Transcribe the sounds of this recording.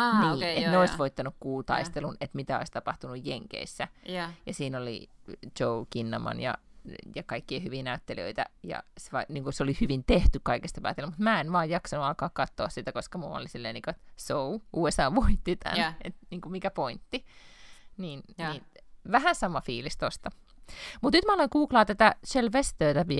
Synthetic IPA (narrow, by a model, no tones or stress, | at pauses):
niːet̪neoisʋoit̪ːɑnukkuːt̪ɑ̰ist̪elunet̪mit̪æo̰ist̪ɑpɑht̪unujjeŋkḛisːæjɑsiːnolḭt͡ʃoukinːɑmɑ̰njɑ̰jɑkɑikːiɑhyʋiːnæyt̪ːeliø̰it̪æ̰jɑ̰seʋɑniːŋkuseolihyʋint̪eht̪ykkɑikest̪ɑpæ̰ːt̪elmut̪mæːenʋɑːjjɑksɑnuɑːkɑːkkɑt̪ːoːssit̪ækoskɑmuɑ̰lisilːenikoet̪souʔuːesɑːʋoit̪ːit̪æ̰nḛt̪niːŋkumikæpoint̪ːi | niːnniːn | ʋæhænsɑmɑfiːlist̪ost̪ɑ | mut̪nyt̪mæoleŋkuːklɑːt̪æt̪æʃelʋest̪øːt̪æpi